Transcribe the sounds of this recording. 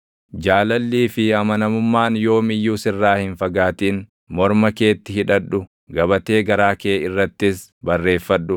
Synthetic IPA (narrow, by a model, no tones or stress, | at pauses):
d͡ʒaːlɐlːiːfɪɐmɐnɐmʊmːaːnjo̞ːmɪjːuːsɪrːaːhɪnfɐɡaːt̪iːn | mɔɾmɐke̞ːt̪ːɪhɪᶑɐᶑʊ | ɡɐbɐt̪e̞ːɡɐɾaːkeːɪrːɐt̪ːɪsbɐrːe̞ːfːɐᶑːʊ